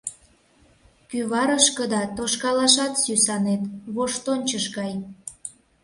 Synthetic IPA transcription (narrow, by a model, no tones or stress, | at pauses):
kyβɑɾəʃkəd̪ɑt̪oʃkɑlɑʃɑt̪sysɑnet̪βoʃt̪onʲt͡ɕəʃɡɑj